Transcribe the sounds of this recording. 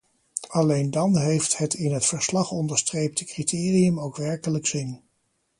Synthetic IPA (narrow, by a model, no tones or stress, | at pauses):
ɑlejndɑnɦejfthətɪnɦətfəɹslɑχɔndəɹstrejp̚tʰəkritʰɪːriəmowkʋɛɹkələksɪn